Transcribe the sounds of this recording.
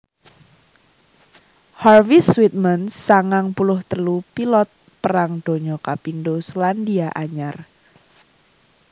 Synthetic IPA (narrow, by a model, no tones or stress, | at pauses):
harviswit̪̚mənsaŋaŋpulʊht̪əlupilɔt̪̚ | pəɾaŋd̪̥o̤ɲɔkapindoslandiaʔaɲar